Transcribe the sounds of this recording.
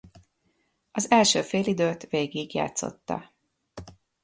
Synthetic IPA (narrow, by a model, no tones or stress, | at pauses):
ɒzɛlʃøːfeːlid̪øːt̪veːɡiɡja̰ːt̪so̞̰t̪ːɒ̰